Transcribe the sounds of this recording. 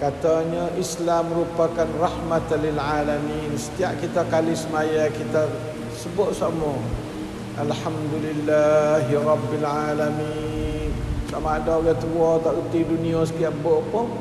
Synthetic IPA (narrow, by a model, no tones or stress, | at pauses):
kat̪aɲəʔislamːəɾupakanrahmat̪lilʕalaminsə̥t̪iaʔkit̪akalisəmajakit̪a | səbʊʔ̪̚samɔ | ʔalħamd̪ulilːaɦrɑbːilʕalaminsamaadaɡat̪uɔt̪aʔut̪idunias̬ə̥t̪iaʔboʔpʊŋ